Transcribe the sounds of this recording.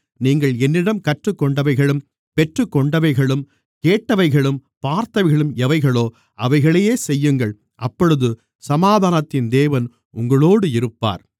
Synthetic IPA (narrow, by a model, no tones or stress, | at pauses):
niːŋɡɐɭɛnːɪɽɐmkɐʈrɯkːɔɳɖɐʋɐɪɣɐɭɯm | pɛʈrɯkːɔɳɖɐʋɐɪɣɐɭɯm | keːʈːɐʋɐɪɣɐɭɯmpaːɾt̪ɐʋɪɣɐɭɯmɛʋɐɪɣɐɭoː | ʔɐʋɐɪɣɐɭejeːsɛjːɯŋɡɐɭ | ʔɐpːɔɻɯðɯ | sɐmaːðʱaːnɐt̪ːɪnd̪eːʋɐn | ʊŋɡɐɭoːɽɯɪɾɯpːa̰ːɾ